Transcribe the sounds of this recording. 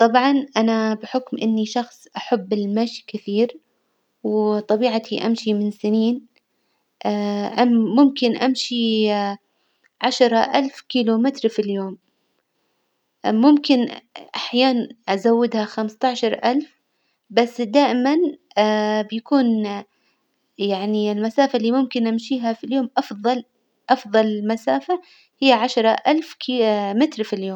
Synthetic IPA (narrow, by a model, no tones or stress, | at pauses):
t̪ˤɑbʕɑnʔanabɪħʊkmʔɪnːiʃɑxsˤʔaħabːɪlmaːʃi̥kɪθiːɾ | wt̪ˤɑbiːʕat̪ʰiʔa̰mʃimɪnsɪniːn | ʔʔaːʊmkɪnʔamʃi | ʕaʃɾˤɑʔalfkiːlumɪt̪ɾfiljoːm | ʊmkɪnʔaħjaːnanʔazawːɪd̪haxamst̪ɑʕʃɑɾˤʔalf | basːd̪aːʔɪman | bjakuːn | jaʕniɪlmasaːfalːiːmʊmkɪnʔamʃiːɦafiljoːmʔɑfðˤɑl | ʔɑfðˤɑlɪlmasaːfa | hɪjːaʕaʃɾˤɑʔalfkːmɪt̪ɾfiljoːm